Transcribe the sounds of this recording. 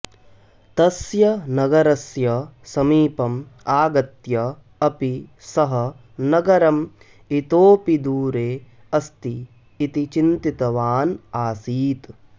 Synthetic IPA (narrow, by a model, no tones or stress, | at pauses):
t̪ɐsjɐnɐɡɐɾɐsjɐsɐmiːpɐmaːɡɐt̪jɐ | ɐpisɐɦɐ̆ | nɐɡɐɾɐm | it̪oːpid̪uːɾeː | ɐst̪iː | t̪it͡ʃint̪it̪ɐʋaːnaːsiːt̪